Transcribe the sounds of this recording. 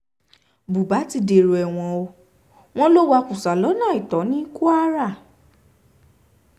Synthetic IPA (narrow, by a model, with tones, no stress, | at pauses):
bu˨ba˨˦ti˧de˧˨ɾo˨ɛ˨w̃ɔ̃˧o˧ | w̃ɔ̃˦lo˦wa˧ku˨sa˨lɔ˨˦nãː˦˨i˨tɔ˨˦nĩ˦ku˦a˦ɾa˦˨